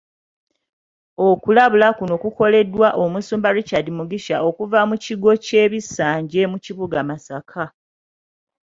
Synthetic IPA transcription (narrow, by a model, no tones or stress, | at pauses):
okulaβulakuno̞kuko̞le̞dwaʔomusuːmbaɾicadimuɡiʃaʔo̞kuvamuciɡo̞ce̞ːβisaːɲɟe̞muciβuɡamasakʰa